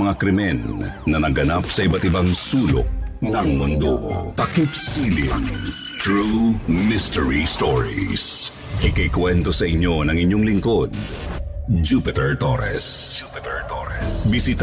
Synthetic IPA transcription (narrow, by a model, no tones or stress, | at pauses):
mɐŋakɾɪmɛnːɐnɐɡɐnap̚sɐʔɪbat̪ɪbaŋsuːlo̰ʔ̚nɐŋmʊnd̪ot̪ɐkɪpsilin | t̪ɹumɪst̪ɛɹist̪ɔɹḭs | ʔɐkɐjkwɛnt̪osɐʔɪɲːo̞nɐŋɪɲːoŋlɪŋko̞d̪̚ | d͡ʒupɪt̪ɛɹt̪oɾɛ̰sp̪ | bisit̪